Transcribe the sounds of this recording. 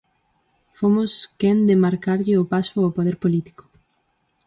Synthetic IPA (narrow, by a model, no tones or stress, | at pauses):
fomʊskɛnd̪ɪmaɾkaɾʎɪʊpasʊawpoðeɾpolit̪i̥ko̥